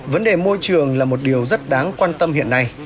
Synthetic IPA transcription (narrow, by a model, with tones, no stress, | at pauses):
və˨˦nɗe˨˩mo˧jt͡ɕɨ˨˩əŋlaː˨˩mo˨˩t̚ɗi˨˩əwzə˦˥t̚ɗaː˨˦ŋkwaː˧nt̪ə˧mhḭ˧˨ənːa˧j